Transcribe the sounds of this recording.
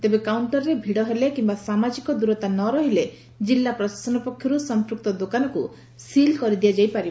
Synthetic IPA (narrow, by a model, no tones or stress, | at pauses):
t̪ebekauɳʈɔɾɔɾebʱiɽɔɦelekimbasamad͡ʒikɔd̪uɾɔt̪anɔɾɔɦile | d͡ʒilːapɾɔsḁsɔnɔpɔkʰjɔɾusɔmpɾuk̚t̪ɔd̪okanɔku | silkɔɾid̪iad͡ʒajpaɾi